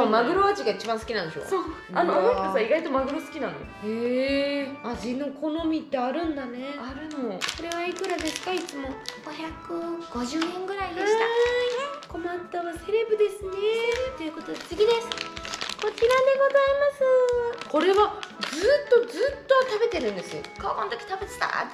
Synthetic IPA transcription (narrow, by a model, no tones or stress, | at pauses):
amaɡɯ̟ɾoat͡ɕiɡait͡ɕibãɰ̃sɨ̥kʲinãnd̪eɕo̰soː | anooiosaiɡait̪o̞maɡɯ̟ɾosɨ̥kʲinãn̰jo̰eː | aʑino̞kʰo̞no̞mʲit̪ːe̞aɾɯ̟̃nd̪ane̞aɾɯmoso̞ɾe̞β̞aikɯ̟ɾad̪e̞sɨ̥kait͡sɨmo̞ɡ̥oçʲakɯ̟ɡ̥o̞ʑɨːẽŋɡɯ̟ɾaid̪eɕa | ko̞mãnt̪oβase̞ɾe̞bɯ̟d̪e̞sɨnet̪ːeɯ̟ko̞t̪o̞d̪et͡sɨɡʲid̪e̞sɨ̥ko̞t͡ɕiɾad̪e̞ɡo̞zaimasɨko̞ɾe̞βad͡zɨːt̪ːo̞zɨːt̪ːot̪abe̞t̪e̞ɾɯ̟̃nd̪e̞sɨ̰kakõnt̪o̥kʲi̥t̪abe̞t͡sɨ̥t̪a̰t̪ː